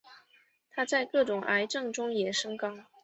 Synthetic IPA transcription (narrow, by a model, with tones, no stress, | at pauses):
t̪ʰa˥t͡sa˥˧ɪkɤ˥˩ʈ͡ʂʊ˨˩ŋʔa˧˥ɪʈ͡ʂɤ˥˩ŋʈ͡ʂʊ˥ŋjɛ˨˩ʂɤ˥ŋkɑ˥ŋ